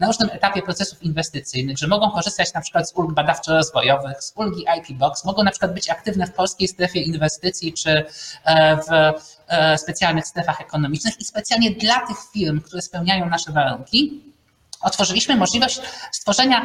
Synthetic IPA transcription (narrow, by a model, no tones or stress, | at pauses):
naɾuʐnɘmɛt̪apʲjɛpɾɔt̪sɛsufinvɛst̪ɘt̪sɘjnɘɣʐɛmɔɡɔ̃w̃kɔʐɘst̪at͡ɕnapʂɘ̥kwat̪zulɡbad̪aft͡ʂɛɾɔzvɔjɔvɘxzulɡʲiʔajpʲibɔksmɔɡɔw̃napʂɘ̥kwad̪bɘt͡ɕakt̪ɘvnɛfpɔlskʲejst̪ɾɛfʲjɛinvɛst̪ɘt̪sʲjit͡ʂɘ | v | spɛt̪sjalnɘxst̪ɾɛfaxɛkɔnɔmʲit͡ʂnɘxispɛt̪sʲjalɲɛd̪lat̪ɘxfʲiɾmkt̪uɾɛspɛwɲajɔ̃w̃naʂɛvaɾuŋkʲi | ɔt̪fɔʐɘlʲiɕmɘmɔʐlʲivɔɕt͡ɕst̪fɔʐɛɲa